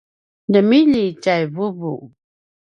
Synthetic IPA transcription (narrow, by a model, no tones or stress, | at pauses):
dəmilit͡ʃajvubuʔ